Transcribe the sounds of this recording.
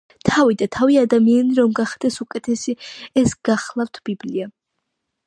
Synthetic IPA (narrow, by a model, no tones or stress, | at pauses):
t̪ʰavid̪at̪ʰaviad̪amianiɾɔmɡaχd̪̥ɛsukʼɛt̪ʰɛsiɛsɡ̥aχlˠaft̪ʰb̥iblia